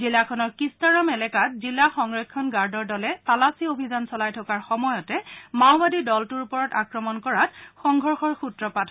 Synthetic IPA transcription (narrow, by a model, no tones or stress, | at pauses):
zilakʰɔnɔɹkistaɹɔmɛlɛkatzilːaxɔŋɹɛkʰːɔnɡaɹdɔɹdɔlɛtalasiobʱizansɔlajtʰɔkaɹxɔmɔjɔtɛmaʊbadidɔltuɹupɔɹɔtakɹɔmɔnkɔɹatxɔŋɡʱɔɹxɔɹxutɹɔpatʰɔ